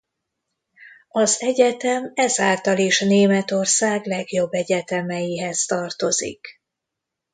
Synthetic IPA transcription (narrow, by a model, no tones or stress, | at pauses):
ɒzɛɟɛt̪ɛmɛzaːlt̪ɒliʃneːmɛt̪o̞rsaːɡlɛɡjo̞bːɛɟɛt̪ɛmɛjiɦɛzt̪ɒrt̪o̞zḭk